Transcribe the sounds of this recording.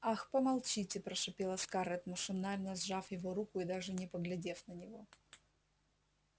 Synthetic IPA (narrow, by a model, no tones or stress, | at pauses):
axpəmɐlˠt͡ɕitʲɪpɾəʂɨpʲelˠəskaɾɛt̪məʂɨnalʲnəzʐafjɪvoɾukʊɪd̪aʐɨnʲɪpəɡlʲɪdʲe̞fnənʲɪvo̞